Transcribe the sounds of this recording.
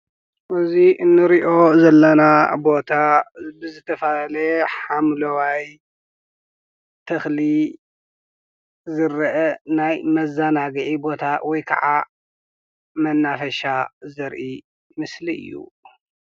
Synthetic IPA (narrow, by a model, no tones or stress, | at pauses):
ʔɨziʔɨnːɨɾiʔo̞zɐlːɐnabo̞t̪ʰabɨzɨt̪ʰɐfallɐħamlɐwaj | t̪ʰɐxli | zɨɾɐʔɐnajmɐzanaɡɨʕibo̞t̪ʰawɔjkʰɐ̰ʕa | mɐnːafɐʃazɐɾʔi | mɨsliɨ̰jːṵ